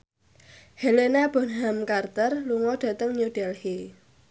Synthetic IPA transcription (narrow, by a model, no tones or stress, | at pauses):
helenab̥ɔ̤nɦamkart̪ərluŋɔɖ̥a̤t̪əŋɲuɖ̥ɛlhe